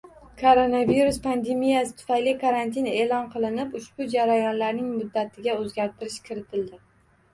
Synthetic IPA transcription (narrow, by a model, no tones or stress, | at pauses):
kʰoɾo̞naviɾʊspʰand̪e̞mijasɪ̥t̪ʰʊ̥fajlɪkʰaɾant̪ʰine̞ːlɒnqʰɨlˠɪnɪpʊʃb̥ʊd͡ʒaɾajɒnlaɾnɪŋmʊd̪ːat̪ʰɪɡʲaɵzɡʲaɾt̪ʰɪɾɪʃkʲʰɪɾɪt̪ʰɪld̪ɪ